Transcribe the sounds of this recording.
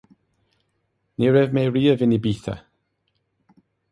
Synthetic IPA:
niɹɛvmeriːəvɪnibiːθa̰

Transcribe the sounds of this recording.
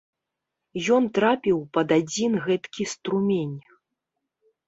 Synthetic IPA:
jɔnt̪ɾapʲiwpɐd̪ad͡zʲinɣɛt̪kʲist̪ɾumʲenʲ

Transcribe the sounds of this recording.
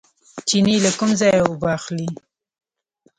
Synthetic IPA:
t͡ʃinilakʊmzɑjawʊbɑxli

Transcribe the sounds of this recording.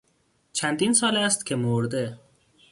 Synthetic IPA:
t͡ʃʰænd̪iːnsɒːlæst̪kʲʰemoɾd̪e

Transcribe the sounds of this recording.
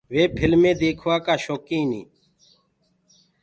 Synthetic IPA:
ʋeːpʰɪlmẽːd̪eːkʰʋaːkaːʃoːkĩːnḭː

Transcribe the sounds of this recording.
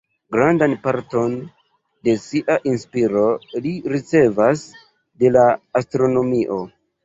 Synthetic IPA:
ɡɾandanpaɾto̞n | de̞siʔaʔinspiɾo̞liɾit͡se̞vas | de̞laːstɾo̞no̞miʔo̞

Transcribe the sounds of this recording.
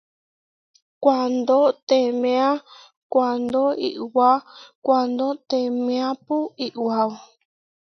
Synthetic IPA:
kʷand̪ot̪emẽã | kʷand̪oḭʔwakʷand̪ot̪emẽãpuiʔwaw

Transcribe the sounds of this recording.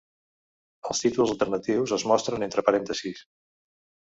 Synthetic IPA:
əlˠst̪it̪ulˠzəlˠt̪ərnət̪iwzəzmɔst̪ɾənent̪ɾəpəɾɛnt̪əsis

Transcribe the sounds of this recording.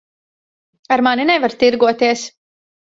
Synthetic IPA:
aɾmaninɛvaɾt̪iɾɡuɔt̪iɛs

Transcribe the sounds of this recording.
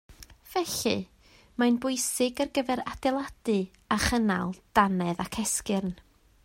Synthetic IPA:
v̥ɛɬɨ̰ | manbʊɨsɪɡərɡəvɛɾad̥ɛlˠad̥ɨ | aχəna̰lˠd̥anɛðakʰɛskɪrn

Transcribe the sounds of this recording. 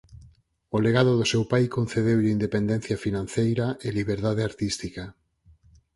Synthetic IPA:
oleɣaðoðosewpajkon̟θeðewind̪epend̪ẽn̟θjafinãn̟θejɾaʔeliβeɾðaðeaɾt̪ist̪ika

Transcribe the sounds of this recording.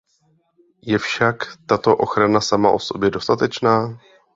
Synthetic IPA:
jɛfʃakt̪at̪o̞ʔo̞̰xɾanasama̰ʔo̞so̞bjɛdo̞st̪at̪ɛt͡ʃnaː

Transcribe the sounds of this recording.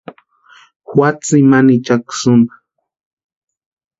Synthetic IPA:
hwat͡simanit͡ʃaksʊnd̪ḁ

